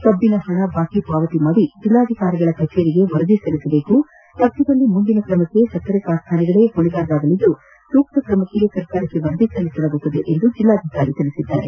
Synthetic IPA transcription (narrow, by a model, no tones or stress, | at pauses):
sɐbːinɐhɐɳɐbʱaːkipaːʋɐt̪imɐʋid͡ʒilːaːd̪ʱikaːɾiɡɐɭɐkɐt͡ʃːeɾiɡe̞ʋɐɾɐd̪isɐlisɐbe̞ːku | t̪ɐk̚t̪ːid̪ɐlːimund̪inɐkɾɐmɐkːe̞sɐk̪ːɐɾɛkaːst̪ʰaːnɐɡɐɭeːkoɳiɡaːɾɐd̪aːɡ̪ɐlid̪ːu | suːk̚t̪ɐkɾɐmɐkːeɡesɐɾkaːɾɐkːeʋɐɾɐd̪isɐlisɐlɐɡut̪ːɐd̪eʔend̪ud͡ʒilːaːd̪ʱikaːɾit̪ilisid̪ːa̰ːɾḛ